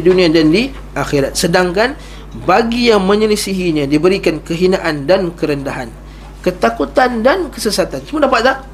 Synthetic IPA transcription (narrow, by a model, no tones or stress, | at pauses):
dunĩadandi | ʔaxeɾat̪̚sədaŋkan | baɡijaŋmə̃ɲələsiɦiɲãdibəɾikankəɦinaʔandankəɾəndaɦan | kət̪akut̪andankəsəsat̪ansəmuadapat̪̚lah